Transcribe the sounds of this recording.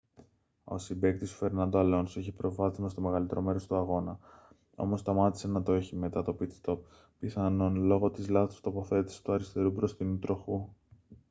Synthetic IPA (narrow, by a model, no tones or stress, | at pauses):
o̞̰sibek̚t̪isu̥fe̞ɾnɐnd̪oɐlo̞nsiçipɾo̞vɐθizmɐst̪o̞me̞ɣɐlit̪e̞ɾo̞me̞ɾo̞st̪uɐɣo̞nɐ | o̞̰mo̞st̪ɐmɐt̪i̥se̞nɐt̪oeçime̞t̪ɐt̪o̞pit̪st̪o̞p̚ː | iθɐno̞nlo̞ɣo̞t̪izlɐθo̥st̪o̞po̞θe̞t̪isi̥t̪uɐɾist̪e̞ɾupɾo̞st̪inut̪ɾo̞xu